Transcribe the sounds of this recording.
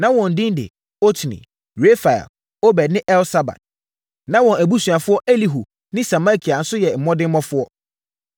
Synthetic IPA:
nã˦wɔ̃˨n̩˨dɪ̃˦n˦dɪ̰˨ | o˦tʰnḭ̃˨ | ɾe˦fa˨ɛ̰˨l | o˦bɛ˨dnɪ̃˦ʔɛ˦lsa˨ba̰˨d̥̚ | nã˦wɔ̃˨næ˨bu˦sɥa˨fʊ˦ɔ˦ʔe˦li˨ɦu˨ | nɪ̃˦sa˨mã˦˨kʰi˨a˨n̩˦sʊ˦jɛ˨m̩˨mɔ̃˦dɪ̃˦m˦mɔ̃˦fʊ˦ɔ˦

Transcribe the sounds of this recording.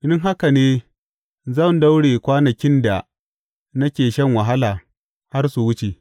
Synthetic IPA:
dɪ˦ŋɦa˦ka˨neː˦ | zɐ˦˨nda˦wɽeː˨kʷaː˦nɐ˨kʲɪ˦nda˨ | nɐ˦kʲeː˨ʃɐ˦˨ŋwa˨ɦa˦laː˨ | ha˦rsu˨wʊ˦t͡ʃe˨

